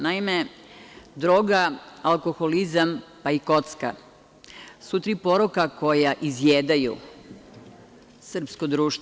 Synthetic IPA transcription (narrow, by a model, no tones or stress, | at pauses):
naime | d̪ɾoːɡaalˠko̞xolizampaiko̞t̪ska̰ | sut̪ɾipo̞ɾokako̞jaʔizjeːd̪ajṵ | sr̩pskod̪ɾuːʃt̪